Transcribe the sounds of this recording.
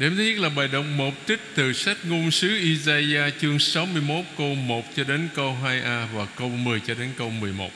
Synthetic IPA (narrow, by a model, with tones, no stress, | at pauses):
ɗe˨˩mt̪ʰi˦˥t̚laː˨˩ɓaː˨˩jɗə˨wŋ͡mmo˨˩p̚t͡ɕi˦˥k̟̚t̪ɨ˨˩sa˦˥k̟̚ŋu˧ənsɨ˨˦ʔi˧zaː˧aː˧t͡ɕɨ˧əŋsa˨˦wmɨ˧əjmo˦˥t̚ko˧mo˨˩t̚t͡ɕɔ˧ɗe˨˦nkə˧wɦaː˧jʔaː˧vaː˨˩kə˧wmɨ˨˩əjt͡ɕɔ˧ɗe˨˦nkə˧wmɨ˨˩əjmo̰˨˩t̚